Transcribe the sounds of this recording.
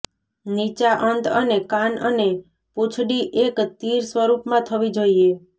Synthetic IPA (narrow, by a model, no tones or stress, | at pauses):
nit͡ʃaʔənt̪ənekanəne | put͡ʃʰɽiʔekt̪iɾsʋəɾupmãt̪ʰəʋid͡ʒoie